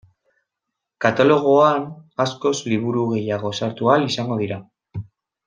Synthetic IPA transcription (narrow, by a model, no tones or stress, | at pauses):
kat̪alo̞ɣ̞o̞anasko̞zliβ̞uɾuɣe̞jaɣ̞o̞saɾt̪ualisaŋɡo̞ðiɾa